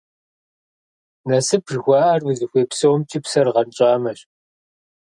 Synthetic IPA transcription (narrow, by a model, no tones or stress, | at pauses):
nɐsɨpʰʒxʷɑːʔɐrwɨzɨxʷeːpsɐwmt͡ʃʰʼiːpsɐrʁɐnt͡ʃʼaːmɐɕ